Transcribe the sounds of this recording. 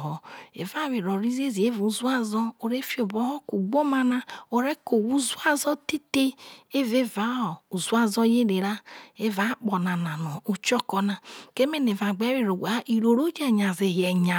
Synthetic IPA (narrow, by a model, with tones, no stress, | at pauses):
ɦɔ˨ḛ˨va˦˨βi˨ɾɔ˨ɾi˦ze˦zi˨e˦vu˨˦zu˦a˦zɔ˦o˨ɾe˦fi˦o˨bɔ˦hɔ˦ku˨ɡ͡bo˦ma˦na˦o˨ɾe˦ko˨wu˦zu˦a˦zɔ˦te˦te˦e˦ve˦va˨˦ɔ˨u˨zu˦a˦zɔ˦je˦ɾe˨ɾa˦e˦va˦k͡pɔ˨na˨na˨nɔ˨u˨t͡ʃɔ˦kɔ˦na˨ke˦me˦ne˨va˨ɡ͡bɛ˨˦we˦˨ɾo˨wa˦ʔi˨ɾo˨ɾo˦d͡ʒɛ˦ɲa˨ze˨jɛ˨ɲa˨